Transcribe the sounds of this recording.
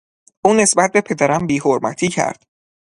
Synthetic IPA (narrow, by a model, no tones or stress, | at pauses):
ʔuːne̞sbæt̪̚be̞pʰe̞d̪æɾæmbiːɦoɾmæ̰t̪ʰiːcʰæ̰ɾd̪̥